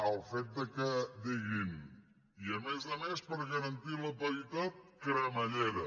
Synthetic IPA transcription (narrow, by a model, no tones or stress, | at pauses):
əlˠfet̪̚d̪əkəd̪iɣin | iəmezəmespəɾɣəɾənt̪iləpəɾit̪at̪̚kɾəməʎeɾə